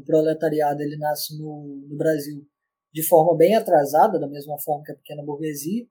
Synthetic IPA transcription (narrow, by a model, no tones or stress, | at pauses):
pɾolet̪aɾiad̪ʊelɪnasɪnʊnʊbɾaziw | d͡ʒɪfɔɾmɐbẽj̃at̪ɾazad̪ɐd̪ɐmezmɐfɔɾmɐkɪɛpɪ̥kẽnɐboɾɡeziɐ